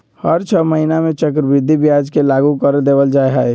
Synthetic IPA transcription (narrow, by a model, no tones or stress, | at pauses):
həɾt͡ʃʰəməɦinamẽt͡ʃək̬ɾəbɾɪd̪ʱibijad͡ʒkelaɡukəɾd̪eːʋəld͡ʒaːeɦae